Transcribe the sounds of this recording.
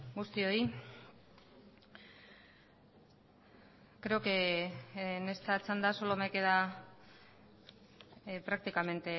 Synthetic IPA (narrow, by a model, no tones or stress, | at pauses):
ɡust̪io̞i | kɾe̞oke | nest̪at͡sand̪asolomekeða | pɾak̚t̪ikame̞nt̪e̞